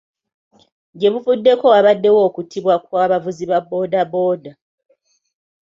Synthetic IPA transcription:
ɟe̞βufudːe̞ko̞aβadːe̞wo̞ːkutʰiβwak̚waːβavuziβabo̞ːdabo̞ːda

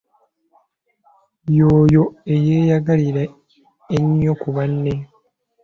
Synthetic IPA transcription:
joːjo̞e̞jeːjaɡaliɾa | eɲːokuβanːe

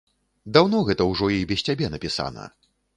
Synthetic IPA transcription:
d̪awnɔɣɛt̪ɐwʐɔibʲɛsʲtʲt͡sʲabʲɛnɐpʲisa̰nɐ̰

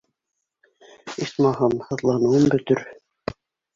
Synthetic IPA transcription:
ismɑhɑmhɤ̆ðlˠɑnɤ̆wɤmbɵ̆t̪ɵɾ

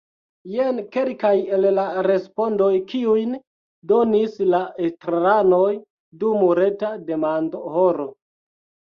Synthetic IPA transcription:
jenke̞lkaje̞llaɾe̞spo̞ndo̞jkiujn | do̞nislaetɾaɾano̞j | dumuɾe̞tade̞mandohoɾo

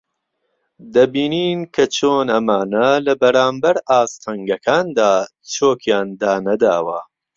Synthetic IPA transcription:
d̪ɐbiːniːnkʰɐt͡ʃʰoːnɐmaːnɐlɐbɐɾaːmbɐɾaːst̪ʰɐŋɡɐkʰaːnd̪aː | t͡ʃʰoːkʰjaːnd̪aːnɐd̪aːwɐ

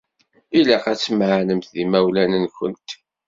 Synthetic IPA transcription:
ilæqæt͡sːməʕnəmt̪ðimæwlænənkə̰nt̪

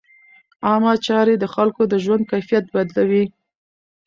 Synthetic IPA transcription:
ɑmɑt͡ʃɑɾed̪əxalkod̪əʒwand̪̚kajfijat̪̚bad̪lawi

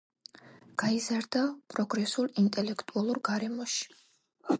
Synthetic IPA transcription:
ɡ̥aizaɾd̪apʼɾɔɡɾɛsulˠint̪ʼɛlɛkʰt̪ʼualˠuɾɡaɾɛmɔʃi̥

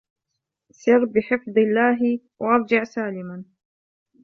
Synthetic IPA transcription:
sɪrːbɪħɪfd̪ˤɪlːaːɦ | wʔaʔɑɾˤd͡ʒɪʕsaːlɪman

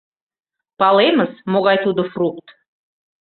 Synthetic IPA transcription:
pɑlˠeməzmoʁɑjt̪ud̪əfruk̚t̪

